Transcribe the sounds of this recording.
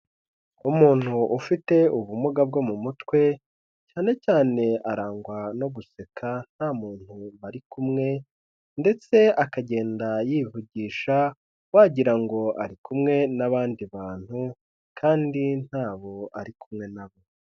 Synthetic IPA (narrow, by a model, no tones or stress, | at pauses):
umuːn̥huʔːfite̞uβumuɡab̚ɡo̞mumutwe̞ | caːne̞caːne̞aɾaːŋɡwano̞ɡuse̞kʰan̥haːmuːn̥huβaɾikumŋe̞ | nde̞t͡se̞akaɟe̞ːndajivuɟiːʃa | waɟiɾaŋɡo̞ʔa̰ɾikumŋe̞naβaːndiβaːn̥hu | kʰaːndin̥haːβo̞aɾikumŋe̞naβo̞